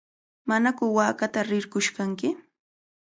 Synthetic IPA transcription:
manakʊwaːkat̪aɾɪɾkʊʃkaŋkɪ

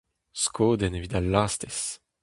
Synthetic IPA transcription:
skʰoːd̪ɛnevid̪alaːst̪es

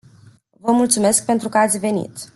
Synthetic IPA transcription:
vəmult̪sume̞sk̚pe̞nt̪ɾukəat̪sʲve̞nḭt̪

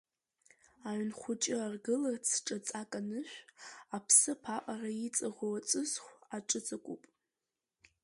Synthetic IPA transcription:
aɥnχʷʊt͡ʃʼɪarɡɨlat͡sʰʈ͡ʂʼat͡sʼakʼanɨʃᶣʷapʰsɨpʰaʔʼarait͡sʼaʁowat͡sʼɨzχʷaʈ͡ʂʼɨt͡sʼakʷʼupʼ

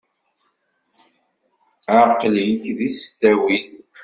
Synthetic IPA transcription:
əɾqljiçðisst̪æwiz

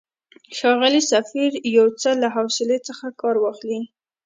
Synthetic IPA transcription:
xɑɣəlisafiɾjawt͡səlaɦawsɪlet͡səxakɑɾwɑxli

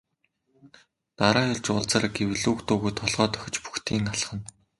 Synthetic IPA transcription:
t̪aɾaːjʊɮt͡ɕʊɮt͡saːɾɡewɮuːkt̪ʊːɣujt̪ʰɔɮʁɔːt̪ʰœ̥xʲɪ̆t͡ɕpu̥xt̪ʰiːŋaɮ̆χə̆n

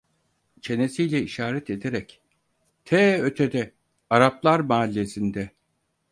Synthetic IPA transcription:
t͡ʃʰe̞ne̞sijlʲɛiʃaːɾɛt̪ʰe̞d̪e̞ɾɛc | t̪ʰɛːø̞t̪ʰed̪ɛ | aɾaplˠaɾmaːlʲːe̞sind̪ɛ

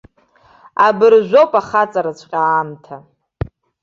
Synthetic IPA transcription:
abɨrʒʷo̞pʼaχat͡sʼaɾat͡ɕʷʼqʲʼaːmtʰa

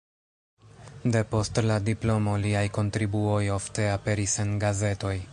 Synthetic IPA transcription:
de̞po̞stladiplo̞mo̞liajko̞ntɾibuo̞jo̞fte̞ape̞ɾise̞nɡaze̞to̞j

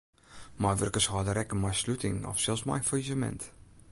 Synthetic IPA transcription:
majʋørkəshɔːdəɾɛkəmajslutɪŋɔ̰fsɛlˠsma̰jfəizəmɛ̰nt

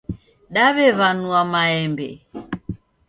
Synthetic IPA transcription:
ɗaβɛβanuamaɛmbɛ̰

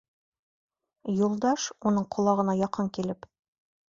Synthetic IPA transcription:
julˠd̪ɑʃunɤɴqʰŏlˠɑʁɤ̆nɑjɒqɤɴkilɘp

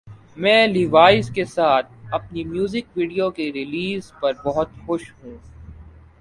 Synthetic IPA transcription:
mɛ̃ːliʋaːɪzkesaːt̪̚ʰɐpnimjuːzɪkʋiːɖijokeɾɪliːzpɐɾbɔɦʊt̪xʊʃɦũː

